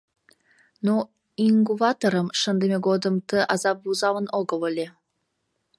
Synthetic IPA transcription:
no | inɡuvɑt̪oɾəmʃə̆nd̪emʲeɡod̪əmt̪əʔɑzɑp̚buzɑvənoɡəvəlʲe

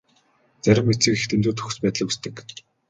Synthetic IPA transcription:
t͡sæɾʲɪ̆mːet͡sɘ̆kext̪ʰemt͡s̪uːt̪ʰɵ̥xɘ̥̆spæːt̪ɮɘ̆kust̪ɘ̆k

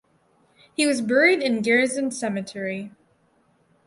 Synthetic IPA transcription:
hiwʌzbɛɹiðɨ̃nɡɛɹɨzɨ̃nsɛmɨtʰɛɹi

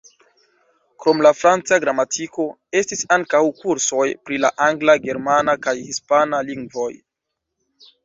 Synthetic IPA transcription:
kɾo̞mlafɾant͡saɡɾamatʰiko̞ | e̞stisaŋkawkuɾso̞jpɾila̰ʔaŋɡlaɡe̞ɾmanakajhispanaliŋɡvo̞j

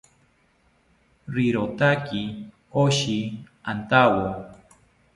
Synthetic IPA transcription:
ɾiɾot̪aki | oʃi | ant̪awo

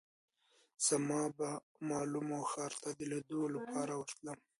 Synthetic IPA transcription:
z̥amɑba | mɑlumoxɑɾt̪ʰad̪əled̪olapʰɑɾawəɾt̪lam

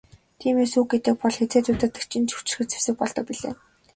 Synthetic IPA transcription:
t̪ʰiːmeːsuːɡ̚ɡet̪ɘ̆k̚pɔɮxet͡seːt̪ʊːt̪ə̆t̪ɘ̥̆kt͡ɕʰɪ̆nt͡ɕʰɵ̥w̥ʰt͡ɕɪ̆rxɘ̆t͡sʰe̥wsɘ̆k̚pɔɮt̪ɞ̆k̚piɮḛː

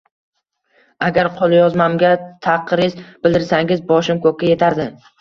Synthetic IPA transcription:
aɡʲaɾqʰolˠɪjɒzmamɡʲat̪ʰaqʰːɨɾɪzb̥ɪld̪ɪɾsaŋɪzbɒʃɪmkʰɵkʲːaje̞t̪ʰaɾd̪ɪ

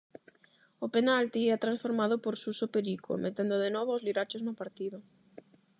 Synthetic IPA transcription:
openalt̪iɛat̪ɾãnsfoɾmaðopoɾsusopeɾiko̰mʔet̪end̪oðenɔβoozliɾat͡ʃoznʊpaɾt̪iðʊ

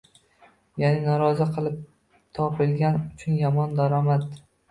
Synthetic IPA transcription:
janɪnɒɾɒzɪqʰɨlˠɪp̚ | t̪ʰɒpʰɪlɡʲanʊt͡ʃʰʊnjɒmɒnd̪aɾɒmad̪

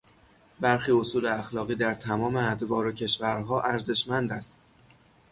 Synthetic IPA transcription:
bæɾxiːo̞suːleæxlɒːɣiːd̪æɾt̪ʰæmɒːmeæd̪vɒːɾocʰe̞ʃvæɾɦɒːʔæɾze̞ʃmænd̪æst̪

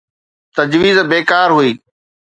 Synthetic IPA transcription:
t̪ɐd͡ʑʋiːzbeːkaːɾɦuiː

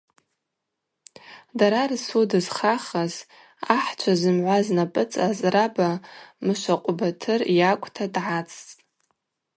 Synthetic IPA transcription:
daɾarsudɨzχaχaz | aħt͡ʃʷʰazɨmʕʷaznapʼɨt͡sʼazrabamɨʃʷaqʷʼbatʰɨrjakʷʼtʰadʕat͡sʰʼ

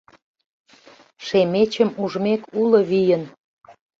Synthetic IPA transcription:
ʃemet͡ɕəmuʒmekuləβijən

